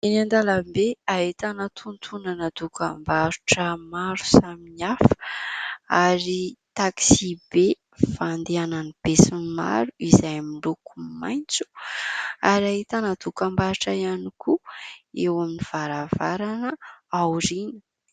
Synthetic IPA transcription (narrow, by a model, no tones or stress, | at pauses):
inand̪alambeaɦit̪anat̪ʰunt̪ʰunanad̪ukambaɾuʈ͡ʂəmaɾu̥saminiafə̥ | aɾit̪aksibe | fand̪eananib̥esinima̰ɾuizajmilukuma̰jnt͡su̥ | aɾaɦit̪anad̪ukambaɾuʈ͡ʂaianikʰuewaminiv̥aɾavaɾanəawɾinə̥